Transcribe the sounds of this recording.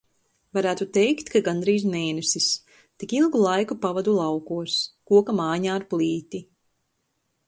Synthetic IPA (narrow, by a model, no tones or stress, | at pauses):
vaɾæːt̪ut̪ɛjkt̪kaɡand̪ɾiːzmeːnɛsis | t̪ikilˠɡulˠajkupavad̪ulˠawkuɔskuɔkamaːɲaːɾplˠiːt̪i